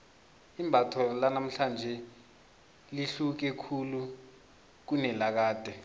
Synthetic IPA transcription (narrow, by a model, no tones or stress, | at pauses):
imbʱatʰɔlanam̩ɬand͡ʒʱɛ | liɬuk̬ɛkʰulu | k̬unɛlak̬aːd̥ʱʼɛ